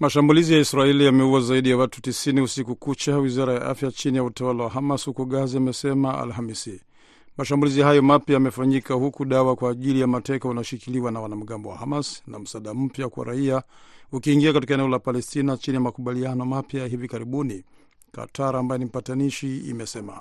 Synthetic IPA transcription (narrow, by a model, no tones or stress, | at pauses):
maʃambulizijaisɾaɛlijamɛuwazaiɗijawatu̥tisiniusikukut͡ʃawizaɾajaʔa̰fjat͡ʃinijautawalawahamashukuɠaziamɛsɛmaa̰lhamisi | maʃambulizihajɔmapjajamɛfaɲikahukuɗawakwaːʄilijamatɛkaunaɔʃikiliwanawanam̩ɠambɔwa̰hamasna̰m̩saːɗam̩pjakwa̰ɾa̰iaukiːŋɡiakatikaɛnɛɔlapalɛstinat͡ʃinijamakuɓalianɔmapjaɦivikaɾiɓuni | ka̰tʰaɾaːmbajɛnim̩pataniʃiḭmɛsɛma̰